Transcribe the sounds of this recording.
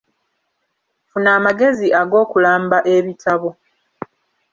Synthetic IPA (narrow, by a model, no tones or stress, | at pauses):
funaːmaɡe̞ziaɡo̞ːkulaːmbaʔe̞βitʰaβo